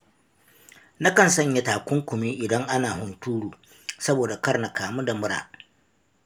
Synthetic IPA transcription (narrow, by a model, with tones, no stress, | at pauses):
na˦kɐ˨nsɐ˦ɲja˦taː˨kʷʊ˦ŋkʷʊ˨mi˦ʔɪ˨dɐ˦ŋʔa˦naː˨ɦʊ˨ntuː˦ɽuː˨ | sɐ˦boː˨da˨kɐ˦rna˨kaː˨mu˦da˨mʊ˦ɽa̰ː˨